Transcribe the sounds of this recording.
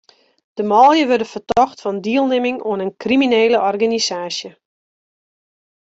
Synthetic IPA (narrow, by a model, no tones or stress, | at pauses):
d̥əmɔlˠjəʋørdəfərtɔxtfɔndiəlˠnemɪŋoənənkrimineːləʔɔrɡanisaːsjə